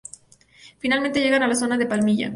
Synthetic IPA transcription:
finalmẽnt̪e̞ʝe̞ɣanalaso̞naðe̞palmiʝa̰

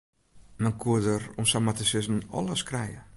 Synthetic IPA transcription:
mankʰuədərɔmsamatəsɪsmənɔ̰ləskrɛjə

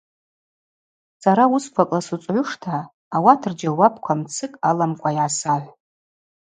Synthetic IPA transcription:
saɾauskʷʰakʼlasut͡sʼʕʷʊʂtʰaː | watʰɨrd͡ʒawapʰkʷʰamt͡sʰɨkʼalamkʷʼajʕasaħʷ

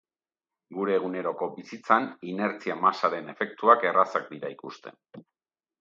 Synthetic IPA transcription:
ɡuɾe̞ːɣ̞une̞ɾo̞ko̞bisit͡sanine̞ɾt͡siamasaɾe̞ne̞fe̞kt̪uake̞rasak̚d̪iɾa̰ikust̪e̞̰n

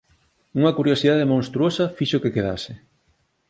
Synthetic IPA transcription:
uŋɐkuɾjosiðaðemõŋst̪ɾuosɐfiʃokekeða̰sɪ

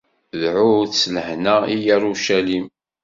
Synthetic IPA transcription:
ðʕʊθsːləħnæijæɾuʃælim

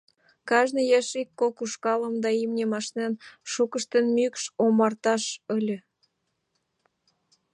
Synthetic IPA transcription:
kɑʒnəjeʃikːokuʃkɑləmd̪ɑimnʲemɑʃnenʃukəʃt̪ənmykʃomɑrt̪ɑʃəlʲø̆

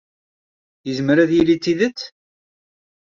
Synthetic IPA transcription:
jəzməɾæðjilit͡sːiðət͡sː

